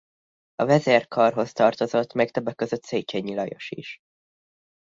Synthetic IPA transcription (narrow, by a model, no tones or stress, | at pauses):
ɒvɛzeːrkʰɒrɦo̞st̪ɒrt̪o̞zo̞t̪ːmɛkt̪øbːɛkːø̞zøt̪seːt͡ʃeːɲːilɒjo̞ʃḭʃ